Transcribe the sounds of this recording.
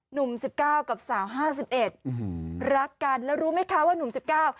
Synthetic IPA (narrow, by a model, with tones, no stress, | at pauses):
nu˨˩˦msi˨˩p̚kaː˥˩wka˨˩p̚saː˩˦wɦaː˥˩s̬i˨˩p̚ʔe˨˩t̪̚ɾa˦˥kːa˧nlɛː˦˥wɾuː˦˥ma˥˩jkʰa˦˥waː˥˩nu˨˩msi˨˩p̚kaː˥˩w